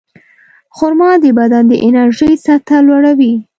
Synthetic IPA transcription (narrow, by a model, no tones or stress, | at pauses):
xʊɾmɑd̪əbad̪and̪əʔɪnaɾʒəjsat̪alwaɽawi